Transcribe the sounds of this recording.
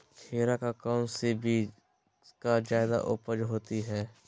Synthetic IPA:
kʰeːɾakakɔːmsebʱi | kad͡ʒjaːd̪a̰ʔʊpəd͡ʒɦoːt̪iɦɛː

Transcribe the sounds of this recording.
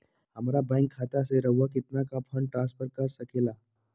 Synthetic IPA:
ɦəmaɾabãŋkʰːat̪aseɾəʋːakit̪nakapʰəɳʈɾãnspʰəɾkaɾsəkʰela

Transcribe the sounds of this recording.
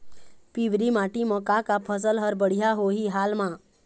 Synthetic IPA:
piʋɾimaːʈimɔ̃kakapʰəs̬əlɦəɾbəɽ̤ijaɦoːɦiɦaːlmã

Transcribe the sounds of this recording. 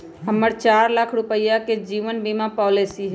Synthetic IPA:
ɦəmːəɾt͡ʃaːɾlakʰɾʊpəjaked͡ʒiːʋənbiːmapɔːlesiɦɛ

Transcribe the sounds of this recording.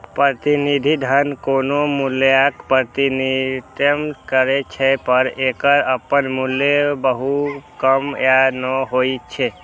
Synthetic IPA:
pɾət̪inid̪ʱid̪ʱənkonomuljakpɾət̪init̪əmkəɾet͡ʃʰepəɾekəɾəpənmuljebəɦukəmjanəɦoit͡ʃʰe

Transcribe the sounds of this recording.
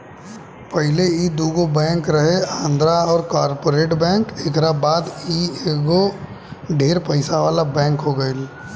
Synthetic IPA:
pəɦɪleid̪uːɡobɛ̃ːŋkɾɐɦeãːnd̪ɾaɔːɾkaːɾpoːɾeːʈbɛ̃ːŋkeːkɾabaːd̪ieɡo | ɖʱeːɾpəɪsaʋaːlabɛ̃ːŋkɦoɡəɪl

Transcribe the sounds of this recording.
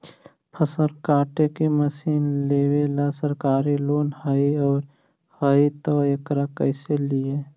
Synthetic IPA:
pʰəsəɾkaːʈekeməsiːnleːʋelasəɾkaːɾiloːnhəiɔːɾ | həit̪ɔəkɾakəɪselie

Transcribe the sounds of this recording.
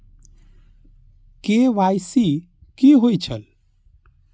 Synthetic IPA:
keʋajsi | kiɦojt͡ʃʰəl

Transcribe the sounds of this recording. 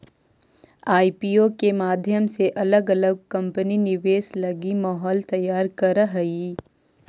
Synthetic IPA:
aːipiːoːkemaːd̪ʱjəmseʔɐləɡɐləɡ̚kɐ̃mpəninɪʋeːslɐɡimaːɦɔːlt̪ɐjːaːɾkɐɾəɦiː

